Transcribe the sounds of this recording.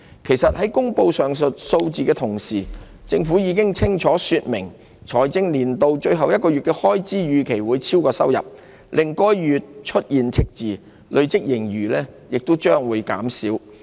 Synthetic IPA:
kʰe˨˩jsɐ˨t̚hɐ˨˥jkʊ˥ŋpo˧wsœː˨˩ŋst̚so˧wt͡siː˨˧kɛː˧t̪ʰʊ˨˩ŋsiː˨˩ | t͡sɪ˧ŋfu˨˥jiː˨˧kɪ˥ŋt͡sʰɪ˥ŋt͡ʃʰɔː˨˥syː˧t̚mɪ˨˩ŋ | t͡ʃʰɔː˨˩jt͡sɪ˥ŋliː˨˩nt̪o˧wt͡ʃɵ˧ɥɦɐ˨wjɐ˥t̚kɔː˧ɥyː˨t̚kɛː˧hɔː˥jt͡siː˥jyː˨˧kʰe˨˩jwuː˨˧jt͡sʰiː˥wkɔː˧sɐ˥wjɐ̰˨p̚ | lʔɪ˨ŋkɔː˥jːyː˨t̚t͡ʃʰɵ˥t̚jiː˨nt͡sʰɪ˥k̚t͡siː˨ | lʔɵ˨˧ɥt͡sɪ˥k̚jɪ˨˩ŋjyː˨˩lɛː˥jɪ˨k̚t̪o˥wt͡ʃœː˥ŋwuː˨˧jka̰ː˨˥msiː˨˥w

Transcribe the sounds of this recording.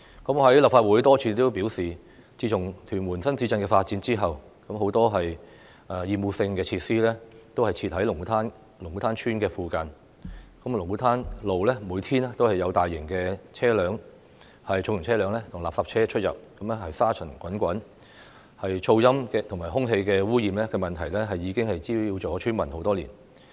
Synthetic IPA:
kɐ˨˥mɦɐ˨˥jlɐ˨p̚faː˧t̚wuː˨˥jt̪ɔː˥t͡sʰyː˧t̪o˥wpi˨˥wsiː˨ | t͡siː˧t͡sʰʊ˨˩ŋt̪ʰyː˨˩nwuː˨˩nsɐ˥nt͡si˨˥t͡sɐ˧nkɛː˧faː˧t̚t͡siː˨˧˥nt͡siː˥ɦɐ˨w | kɐ˨˥mɦo˨˥wt̪ɔː˥ɦɐ˨j | ɐː˨jiː˨˧muː˨˧sɪ˧ŋkɛː˧t͡sʰiː˧t̚siː˥lɛː˥t̪o˥whɐ˨jt͡sʰiː˧t̚ɦɐ˨˥jlʊ˨˩ŋu˨˥t̪ʰaː˥n | lʊ˨˩ŋwu˨˥t̪ʰaː˥nt͡ʃʰyː˥nkɛː˧fuː˨kɐ˧n | kɐ˨˥mlʊ˨˩ŋu˨˥t̪ʰaː˥nlo˨wlɛː˥muː˨˧jt̪ʰiː˥nɛ˥t̪o˥whɐ˨jɐ˨˧wt̪aː˨jːɪ˨˩ŋkɛ˧t͡sʰɛː˥lœː˨˧˥ŋ | hɐ˨jt͡ʃʰʊ˨˧ŋjʊ˨˩t͡sʰɛː˥lœː˨˥ŋlɛ˥t̪ʰʊ˨˩ŋla̰ː˨psɐ˨p̚t͡ʃʰɛː˥t͡ʃʰɵ˥t̚jɐ̰˨p̚kɐ˨˥mlɛ˥hɐ˨jsaː˥t͡ʃʰɵ˨˩nkʷɐ˨˥nkʷɐ˨˥n | hɐ˨jt͡ʃʰo˧wjɐ˥mkɛ˧t̪ʰʊ˨˩ŋmaː˨˩jhʊ˥ŋɦe˧jkɛː˧wuː˥jiː˨mlɛː˥kɛː˧mɐ˨nt̪ʰɐ˨˩jlɛ˥ɦɐ˨jːiː˨˧˥kɪ˥ŋhɐ˨jt͡siː˥i˧wt͡sɔː˨˥t͡ʃʰyː˥nmɐ˨˩nho˨˥wt̪ɔː˥liː˨˩n

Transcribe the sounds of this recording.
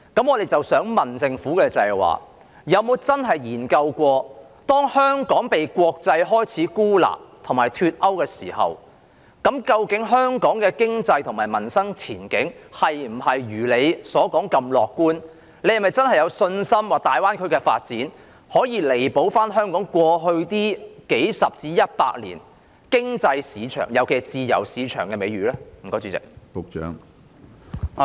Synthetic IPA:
kɐ˨˥mɔ˨˧d̪e˨jt͡sɐ˨wsœː˨˥ŋmɐ˨nt͡sɪ˧ŋfuː˨˥kɛː˧t͡sɐ˨jwa̰ː˨ | jɐ˨˧wmo˨˧wt͡sɐ˥nɦɐ˨jjiː˨˩nkɐ˧wkʷɔː˧ | t̪ɔː˥ŋhœː˥ŋkɔː˨˥ŋpe˨jkʷɔː˧k̚t͡sɐ˧jɦɔː˥jt͡sʰiː˨˥kuː˥la̰ː˨˩p̚t̪ʰʊ˨˩maː˨˩jt̪ʰyː˧t̚ʔɐ˥wkɛː˧siː˨˩hɐ̰˨w | kɐ˨˥mkɐ˧wkɪ˨˥ŋɦœː˥ŋkɔː˨˥ŋkɛː˧kɪ˥ŋt͡sɐ˧jt̪ʰʊ˨˩ŋmaː˨˩jmɐ˨˩nsɐ˥ŋt͡sʰiː˨˩nkɪ̰˨˥ŋhɐ˨jm̩˨˩hɐ˨jɥyː˨˩le˨˧jsɔː˨˥kɔː˨˥ŋkɐ˧mlɔː˨kːuː˥n | le˧jɐ˨˩mɐ˨˩jt͡sɐ˥nhɐ˨˩jɐ˨˧wsɵ˧nsɐ˥mwaː˨k̚t̪aː˨jwaː˥nkʰɵ˨˧ɥkɛː˧fa̰ː˧t̚t͡siː˨˥n | hɔː˨˥jiː˨˧le˨˩jpo˨˥wfaː˥nɦœː˥ŋkɔː˨˥ŋkwɔː˧ɦɵ˧ɥt̪iː˥ke˨˥jsɐ˨p̚t͡siː˧jɐ˥t̚pa̰ː˧k̚lḭː˨˩n | kɪ˥ŋt͡sɐ˧jsiː˨˧t͡ʃʰœ̰ː˨˩ŋjɐ˨˧wke˨˩t͡siː˧jɐ̰˨˩wsiː˨˧t͡ʃʰœ̰ː˨˩ŋkɛː˧me˨˧jɥyː˨˧lɛː˥m̩˨˩kɔː˨˧˥t͡syː˧t͡sɪ̰˨k̚po˨k̚t͡ʃœ̰ː˨˥ŋ

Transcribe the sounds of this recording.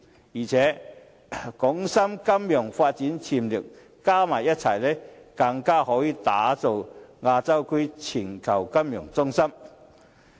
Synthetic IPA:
jiː˨˩t͡sʰɛː˨˥ | kʊ˨˥ŋsɐ˥mkɐ˥mjʊ˨˩ŋfaː˧t̚t͡siː˨˥nt͡sʰiː˨˩mliː˨˩w | kaː˥maː˨˩jːɐ˥t̚t͡sʰɐ˨˩jlɛ˥kɐ˧ŋkaː˥hɔː˨˧˥jiː˨˧t̪aː˨˥t͡so˨wŋaː˧t͡sɐ˥wkɵ˥ɥt͡sʰiː˨˩nkʰɐ˨˩wkɐ˥mjʊ˨˩ŋt͡sʊ˥ŋsɐ˥m

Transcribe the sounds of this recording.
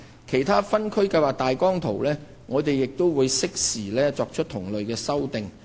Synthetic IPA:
kʰe˨˩jt̪ʰaː˥fɐ˥nkʰɵ˥ɥkɐ˧jwaː˨k̚t̪aː˨jkɔː˥ŋt̪ʰo˨˩wlɛː˥ | ŋɔː˨˧t̪e˨jːɪ˨k̚t̪o˥wwuː˨˧jsɪ˥k̚siː˨˩lɛː˥t͡sɔː˨˧k̚t͡ʃʰɵ˥t̚t̪ʰʊ˨˩ŋlɵ˨ɥkɛː˧sɐ˥wt̪ɪ˨ŋ

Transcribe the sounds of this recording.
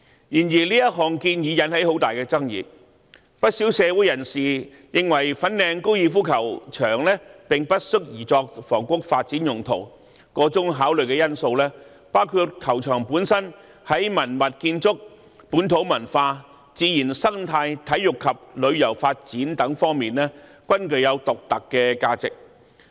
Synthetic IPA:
jiː˨˩njiː˨˩liː˥jɐ˥t̚ɦɔː˨˩ŋkiː˧njiː˨˧jɐ˨˥nhɐ˨˥jho˨˥wt̪aː˨jkɛː˧t͡sɐ˥ŋjḭː˨˩t̚ | pɐ˥t̚siː˨˥wsɛː˨˧wuː˨˥jɐ˨˩nsiː˨˩ | jɪ˨˧ŋwɐ˨˩jfɐ˨˥nlɛː˨˧ŋko˥wjiː˧fuː˥kʰɐ˨˩wt͡ʃʰœː˨˩ŋlɛː˥pɪ˨ŋpɐ˥t̚sɵ˥k̚jiː˨˩t͡sɔː˧k̚fɔː˨˩ŋkʊ˥k̚faː˧t̚t͡siː˨˥njʊ˨˩ŋt̪ʰo̰˨˩w | kɔː˨˥t͡sʊ˥ŋɦaː˨˥wlɵ˨˩jkɛː˧jɐ˥nso˧wlɛː˥ | paː˥wkʰu˧t̚kʰɐ˨˩wt͡ʃʰœː˨˩ŋpuː˨˥nsɐ˥n | hɐ˨˥jmɐ˨˩nmɐ˨t̚kiː˧nt͡sʊ˥k̚ | puː˨˥nt̪ʰo˨˥wmɐ˨˩nfaː˧ | t͡siː˨˧jiː˨˩nsɐ˥ŋt̪ʰaː˧jt̪ʰɐ˨˥jjʊ˨kʰːɐ˨p̚lɵ˨˧ɥjɐ˨˩wfaː˧t̚t͡siː˨˥nt̪ɐ˨˥ŋfɔː˥ŋmiː˨nlɛː˥ | kʷɐ˥nkɵ˨˧ɥjɐ˨˧wt̪ʊ˨k̚t̪ɐ˨kːɛː˧kaː˧t͡sɪ̰˨k̚

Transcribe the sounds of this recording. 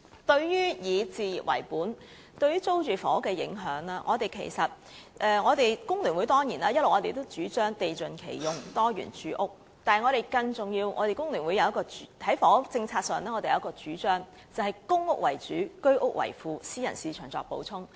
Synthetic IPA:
t̪ɵ˧ɥjyː˥jiː˨˧t͡siː˨ji˨p̚wɐ̰˨˩jpuː˨˥n | t̪ɵ˧ɥyː˥t͡so˥wt͡ʃyː˨˩fɔː˨˥kɛː˧jɪ̰˨˥ŋɦœː˨˥ŋlaː˥ŋʔɔː˨˧t̪e˨jkʰḛ˨˩jsɐ˨t̚ | ʔɛː˧ŋɔː˨˧t̪e˨jkʊ˥ŋlyː˨˩nwu˨˧jt̪ɔː˥ŋjiː˨˩naː˦˥jɐ˥t̚lo˨wŋɔː˨˧t̪e˨jt̪o˥wt͡ʃyː˨˥t͡ʃœː˥ŋt̪e˨jt͡sɵ˨nkʰḛ˨˩jjʊ˨ŋt̪ɔː˥jy̰ː˨˩nt͡ʃyː˨˥ʔʊ˥k̚ | t̪aː˨ŋɔː˨˧ɾe˨jkɐ˧ŋt͡sʊ˨ŋjiː˧wŋɔː˨˧t̪e˨jkʊ˥ŋlyː˨˩nwu˨˧jɐ˨˧wjɐ˥kɔː˧˨˥hɐ˨˥jfɔː˨˥t͡sɪ˧ŋt͡sʰaː˧t̚sœː˨˩ŋlɛː˥ŋɔ˨˧t̪e˨jɐ˨˦˥kɔː˧t͡ʃyː˨˥t͡ʃœː˥ŋ | t͡sɐ˨˩whɐ˨jkʊ˥ŋʊ˥k̚wɐ̰˨˩jt͡ʃyː˨˥kɵ˥ɥʔʊ˥k̚wɐ̰˨˩jfuː˨˧siː˥jɐ˨˩nsiː˨t͡ʃʰœː˨˩ŋt͡sɔ̰ː˨˧k̚po̰˨˥wt͡sʰʊ˥ŋ

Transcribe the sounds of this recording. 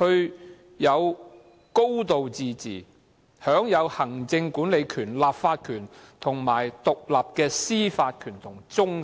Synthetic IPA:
hɵ˧ɥ | jɐ˨˧w | ko˥wt̪o˨wt͡siː˨˧t͡sḭː˨˩ | hœː˨˥ŋjɐ˨˧whɐ˨˩ŋt͡sɪ˧ŋkuː˨˥nle˨˧jkʰyː˨˩nlaː˨pfaː˧t̚kʰyː˨˩nt̪ʰʊ˨˩ŋmaː˨˩jt̪ʊ˨k̚laː˨p̚kɛː˧siː˥faː˧t̚kʰyː˨˩nt̪ʰʊ˨˩ŋt͡sʊ˥ŋ

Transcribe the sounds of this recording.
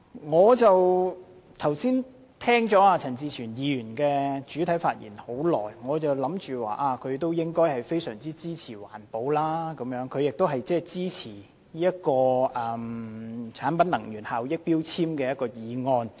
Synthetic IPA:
ŋɔː˨˧t͡sɐ˨w | t̪ʰɐ˨˩wsiː˥n | t̪ʰɛː˥ŋt͡sɔː˨˥aː˧t͡sʰɐ˨˩nt͡siː˧t͡ʃʰyː˨˩njiː˨˧jyː˨˩nkɛː˧t͡ʃyː˨˥t̪ʰɐ˨˥jfaː˧t̚jḭː˨˩nho˨˥wlɔː˨˩jŋɔː˨˧t͡sɐ˨wlɐ˨˥mt͡ʃyː˨wa̰ː˨˩ʔaː˧kʰɵ˨˧ɥt̪o˥wjɪ˥ŋkɔː˥jhɐ˨jfe˥jsœː˨˩ŋt͡siː˥t͡siː˥t͡sʰiː˨˩wa̰ː˨˩npo˨˧wlaː˥kɐ˨˧˥mjœː˨˥ŋkʰɵ˧ɥjɪ˨k̚t̪o˥wɦɐ˨jt͡sɛː˥˩t͡siː˥t͡sʰiː˨˩ | niː˥ɐ˥t̚kɔː˧ʔɛ˨mt͡sʰaː˨˥npɐ˨˥nɐ˨˩ŋɥyː˨˩nhaː˨wjɪ˥k̚piː˥wt͡sʰiː˥mkɛː˧jɐ˥t̚kɔː˧jiː˨˧ŋɔː˧n

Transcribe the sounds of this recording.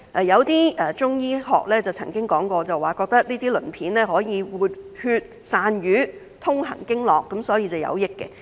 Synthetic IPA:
ʔɛː˨˩jɐ˨˧wt̪iː˥ɛː˨t͡ʃʊ˥ŋjiː˥ɦɔ̰ː˨k̚lɛː˥t͡sɐ˨˩wt͡sʰɐ̰˨˩ŋkɪ˥ŋkɔː˨˥ŋkɔː˧t͡sɐ˨waː˨˩kɔː˧k̚t̪ɐ˥k̚liː˥t̪iː˥lɵ̰˨˩npʰiː˨˥nlɛː˥ɦɔː˨˥jiː˨˧wuː˨˧t̚hyː˧t̚saː˨˧njyː˨˥ | t̪ʰʊ˥ŋhɐ̰˨˩ŋkɪ˥ŋlɔː˨˩kːɐ˨˥msɔː˨˥jiː˧t͡sɐ˨wjɐ̰˨˧wjɪ˥kːɛ̰˧

